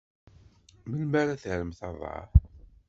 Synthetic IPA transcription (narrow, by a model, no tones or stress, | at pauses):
məlmaɾaθəʕɾəmθɑðˤɑ̰ħ